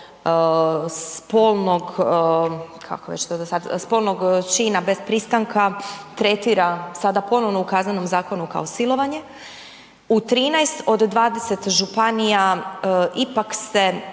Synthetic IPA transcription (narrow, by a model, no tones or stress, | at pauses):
spoːlˠno̞ɡ | kʰa̰koʋet͡ʃt̪od̪asad̪spo̞lˠno̞ɡt͡ʃiːnabe̞spɾist̪aŋkat̪ɾe̞t̪iːɾasad̪apo̞no̞ʋno̞ukaznano̞mzaːko̞nuka̰osilˠo̞ʋaɲe̞ | ut̪ɾiːnajst̪o̞d̪ːʋaːd̪eset̪ʒupanijaʔipakse̞